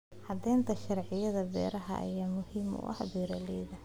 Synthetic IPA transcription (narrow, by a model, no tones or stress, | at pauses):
ħɑd̪ɛːnt̪ʰɐʃɐrʕɪjɐðɐbɛ̰ːɾɐɦɐ̰ɐ̰jaːmʊhiːmʊ̰ʔɐ̰hbiːɾɐlɛjðɐ